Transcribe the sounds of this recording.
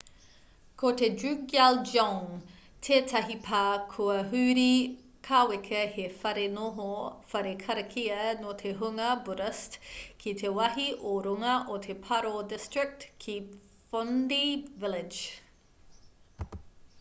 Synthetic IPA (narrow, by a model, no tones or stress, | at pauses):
kʰot̪edʉɡald͡ʒoŋ | t̪ʰetʰɐɦipʰaːkʰuɐɦʉːɾi | kʰawekʰɐhefɐɾenoɦofɐɾekʰɐɾɐkʰiɐnot̪ʰeɦuŋɐbuɾɐstkʰit̪ʰewɐɦiʔoɾuŋɐʔot̪ʰepʰaɾodɪstɹɪk̚tkʰi | fondivɪlɪ̥d͡ʒ